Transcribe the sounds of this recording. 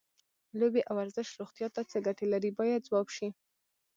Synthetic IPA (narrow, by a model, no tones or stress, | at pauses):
lobeʔawaɾzəʃɾoɣt̪jɑt̪at͡səɡaʈelaɾibɑjad̪̚zwɑbʃi